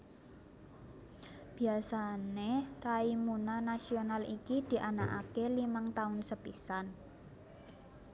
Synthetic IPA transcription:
b̥i̤asaneraimunanasionalikid̪̥i̤ʔanaʔakelimaŋt̪aʊnsəpisan

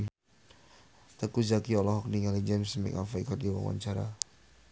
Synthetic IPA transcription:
t̪əkuzakiɔlɔɦɔk̚diŋalid͡ʒɛmsmɛ̰kafaikɔt̪̚diwa̰ŋwʔa̰ɲt͡ʃaɾa̰

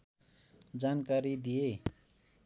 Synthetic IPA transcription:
d͡zankaɾid̪ije

